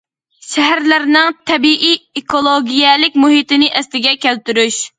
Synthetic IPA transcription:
ʃɛɦæɾlæɾnɪŋt̪ʰɛbiʔiekolˠoɡʲijɛlɪkʲmuɦit̪ɪnɪʔɛslɪɡʲɛkʲɛlt̪yɾyʃ

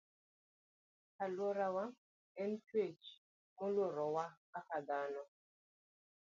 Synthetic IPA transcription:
kalwɔɾawa | ɛntwet͡ʃ | mʊloɾɔwa | akaɡanɔ

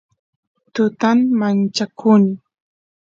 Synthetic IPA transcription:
t̪ʊt̪amːant͡ʃakʰʊn

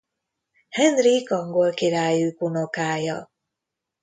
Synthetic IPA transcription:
hɛnrikɒŋɡo̞lkiɾaːjykunokaːjɒ

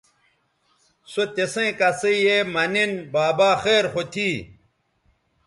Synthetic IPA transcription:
sot̪esẽkɐsejemɐninbaːbaːxeːɾxot̪ʰiː

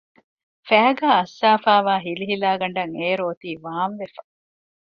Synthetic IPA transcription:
fæːɡaːɐsːaːfaːʋaːɦiliɦilaːɡɐɳɖɐŋeːɾoːt̪iːʋaːmʋefɐ̥

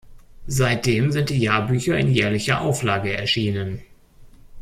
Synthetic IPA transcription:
zaɪt̚d̥eːmzɪnt̚d̥iːjaːɐbyːçɐɪ̰njɛːɐlɪçɐʔaʊflaːɡəɛɐʃiːnən

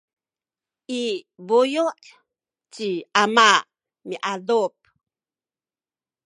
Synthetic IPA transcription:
ʔibujuʔ | t͡ɕiʔamaʔ | miʔadup̚

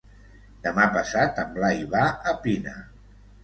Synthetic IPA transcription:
d̪əmapəsat̪əmblaiβaəpinə̰

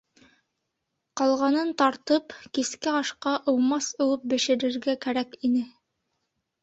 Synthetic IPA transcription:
qɑlˠʁɑnɤnt̪ɑɾt̪ɤpkiskæɑʃqɑʔɤ̆wmɑsŭw̪ˠɤp̚bɘ̆ʃɘ̆ɾɘ̆ɾɡækæɾækinɘ

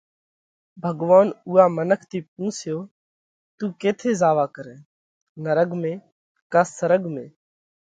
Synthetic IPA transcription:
bʱəɡʋaːnuːaːmənəkʰt̪iːp̚ũːsjoː | t̪uːkeːt̪ʰeːzaːʋaːkəɾẽː | nəɾəɡmẽː | kaːsəɾəɡmẽː

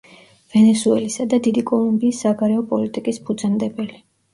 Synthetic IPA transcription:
vɛnɛsuɛlisad̪ad̪id̪ikʼɔlˠumbiːsːaɡaɾɛɔpʼɔlit̪ʼikʼispʰud̪zand̪ɛbɛli

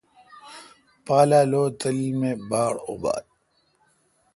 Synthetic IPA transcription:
paːlaːloːt̪əlmebaːɽo̰ba̰ːd̪̚

